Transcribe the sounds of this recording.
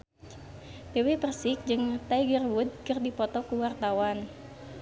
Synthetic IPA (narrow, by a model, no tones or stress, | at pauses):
t̪ewepərsɪk̚d͡ʒɨŋt̪ajɡərwud̪̚kɨrdipɔt̪ɔkuwart̪awan